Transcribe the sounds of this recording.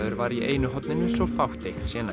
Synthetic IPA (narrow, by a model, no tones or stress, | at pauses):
ðʏɾvaɾiʔeːjnʏɦɔt̪nɪnːʏsvɔfawht̪eht̪sjɛːna